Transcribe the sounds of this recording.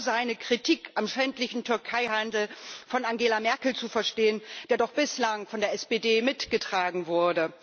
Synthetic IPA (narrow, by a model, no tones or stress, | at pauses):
zaɪnəkʁ̥itʰiːkʔamʃɛntlɪçn̩tʰʏɐkʰaɪhandl̩fɔnaŋɡeːlamɛɐkl̩t͡sufɛɐʃteːənd̥eːɐdɔχb̥ɪslaŋfɔndeːɐɛsb̥eːdeːmɪtɡ̥ətʁ̥aːɡŋ̩vʊɐdə